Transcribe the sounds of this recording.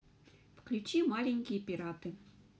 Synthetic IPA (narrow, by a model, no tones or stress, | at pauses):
fklʲut͡ɕimalʲeŋʲkʲijepʲiɾat̪ɨ